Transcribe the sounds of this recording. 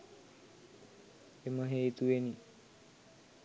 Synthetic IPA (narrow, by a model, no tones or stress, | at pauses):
eməɦeit̪ueni